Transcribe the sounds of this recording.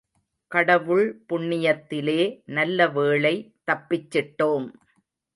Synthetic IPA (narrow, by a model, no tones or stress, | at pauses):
kɐɽɐʋɯɭpʊɳːɪjɐt̪ːɪleːnɐlːɐʋeːɭɐɪt̪ːɐpːɪt͡ʃːɪʈːoːm